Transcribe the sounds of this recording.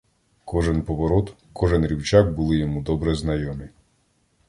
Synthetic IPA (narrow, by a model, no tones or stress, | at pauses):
kɔʒɛnpɔʋɔɾɔt̪ | kɔʒɛnɾʲiwt͡ʃak̚bʊlˠɪjɔmud̪ɔbɾɛznɐjɔmʲi